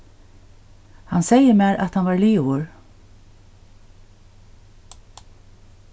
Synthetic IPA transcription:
hansejəmæːɾʔat̪hanʋɑːɹliːʊɹ

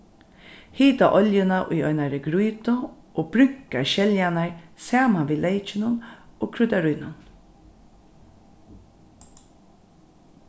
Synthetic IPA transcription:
hiːt̪a̰ʔɔljɪnaʔʊ̰jɔʏnaɾəɡɾujt̪ʊ | oːb̥ɾʏŋ̥kaɹʃɛljanaɹsaːmanʋiːleɪt͡ʃɪnʊnoːkʰɾʉt̪aɾujnʊn

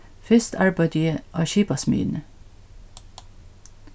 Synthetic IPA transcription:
fʏst̪ʰɑɹbɑɪd̪yːəʔɑːʃiːpɑsmy̰ːnə

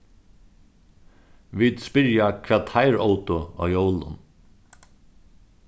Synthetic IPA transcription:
ʋiːd̪spɪɾjakʰʋɛːt̪ʰaɪɾoʊt̪ʊa̰ːjowlʊ̰n

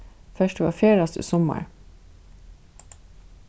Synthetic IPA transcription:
fœʃteʋɑ̰ːfjeːɹɑst̪ə̰sɔmə̰ɹ

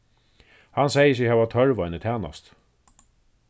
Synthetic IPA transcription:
hansejəs̬jɪhaːvat̪ʰœɹʋajnət̪ʰæːna̰st̪

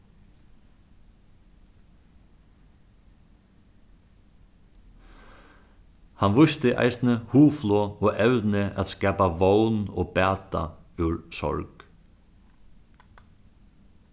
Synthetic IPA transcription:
hanʋʊst̪əʔa̰jsnəhuːflɔɔːɛwðnɪʔæ̰ðskɛːpaʋownɔ̰ːpæːt̪a̰ʉɹsɔ̰ɹk

